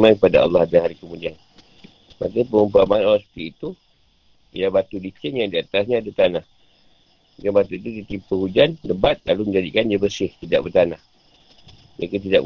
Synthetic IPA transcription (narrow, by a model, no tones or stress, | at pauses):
mankəpadaɑ̰lːɑhadaɦaɾikəmũdian | makapəɾumpamaanalaspət̪iit̪u | jabat̪udit͡ʃɪŋjaŋdiat̪asɲaːdat̪anah | ɡanbat̪uit̪udit̪ipəhud͡ʒanləbat̪̚laluməɲd͡ʒadikandiabəsɪht̪idaʔ̚bət̪anah | jakət̪̬idaʔ